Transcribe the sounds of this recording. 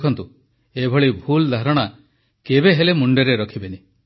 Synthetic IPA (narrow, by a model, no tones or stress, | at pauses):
kʰɔnt̪u | ebʱɔɭibʱuld̪ʱaɾɔɽ̃a | kebeɦelemuɳɖeɾeɾɔkʰibeni